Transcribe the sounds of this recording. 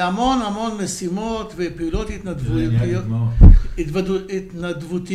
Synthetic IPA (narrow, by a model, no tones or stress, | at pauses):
amonamo̞nmesimot̪vepiulot̪hit̪nad̪vu | it̪vdit̪nad̪vut̪i